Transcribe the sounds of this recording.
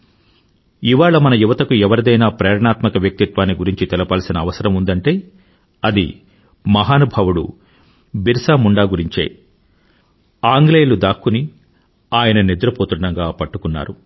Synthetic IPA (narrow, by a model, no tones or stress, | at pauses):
iʋaːɭɐmɐnɐjuʋɐt̪ɐkuɛʋɐɾɐd̪ɐjnaːpɾɛːɾɐɳaːt̪mɐkɐʋjɐk̚t̪it̪ʋaːnːiɡuɾiɲt͡ʃit̪ɛlɐpaːlsinɐːʋɐsɐɾɐmund̪ɐɳʈe̞ː | ɐd̪ḭ | mɐɦaːnubʱɐʋuɽṵ | biɾsaːmuɳɖaːɡuɾiɲt͡ʃḛː | aːŋɡleːjlud̪aːkːuni | aːjɐnɐnid̪ɾɐpoːt̪uɳɖɐŋɡaːpɐʈːukunːa̰ːɾu